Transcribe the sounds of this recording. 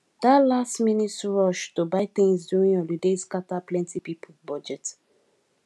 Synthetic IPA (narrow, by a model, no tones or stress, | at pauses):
d̪atlastminitsɹɔʃtobaɪθĩŋsduɹĩŋɔludeskataplɛ̃ntipipʰolbɔd͡ʒɛt